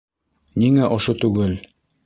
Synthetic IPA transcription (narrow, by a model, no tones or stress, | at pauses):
niŋæʔŏʃot̪ʉɡɘl